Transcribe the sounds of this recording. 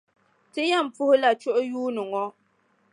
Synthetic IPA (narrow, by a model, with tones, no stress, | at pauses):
tɨ˦ja˦˨m̩˨pʊ˦hʊ˦la˨t͡ʃʊ˦ʔʊ˦juː˦nɨ˨ŋɔ˦